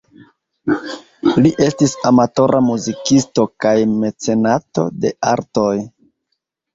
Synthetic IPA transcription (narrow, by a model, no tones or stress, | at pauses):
liʔe̞stisamato̞ɾʔamuzikisto̞kajme̞t͡se̞nato̞̰de̞aɾto̞j